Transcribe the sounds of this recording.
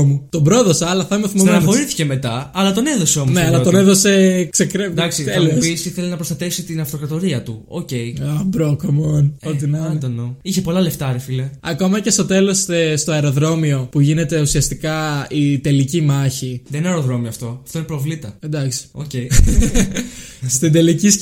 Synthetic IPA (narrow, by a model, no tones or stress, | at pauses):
mut̪o̞bɾo̞ðo̞sɐɐlɐθɐmeθimoɐxoɾiθi̥ceme̞t̪ɐɐlɐt̪o̞neðo̞seo̞mneɐlɐt̪oneðo̞se̞ksekɾed̪ɐksit̪elepisiθelinɐpɾost̪ɐt̪e̞fsit̪inɐft̪o̞kɾɐt̪o̞ɾiɐt̪uo̰ce̞jɐbɾokɐmonot̪inɐd̪ɐnoiçepo̞lɐleft̪ɐɾefileɐko̞mɐce̞st̪o̞t̪e̞lo̞st̪est̪oɐeɾo̞ðɾo̞mio̞puʝine̞t̪e̞usiɐst̪ikɐit̪e̞licimɐçiðeninɐeɾoðɾo̞mioɐft̪o̞ɐ̥ft̪o̞inepɾovlit̪ɐend̪ɐksi̥o̰cej | st̪ind̪e̞licis